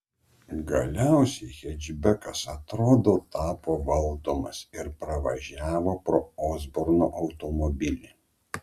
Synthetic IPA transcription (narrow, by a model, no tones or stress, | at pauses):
ɡɐlʲæˑʊsʲɛɪxʲɛd͡ʒʲbʲɛkɐsɐt̪ɾoːd̪oːt̪ɑːpoːʋɐlˠd̪oːmɐsɪɾpɾɐʋɐʒʲæːʋoːpɾoːoːzbʊɾnoʔɐʊt̪ɔmɔbʲɪlʲe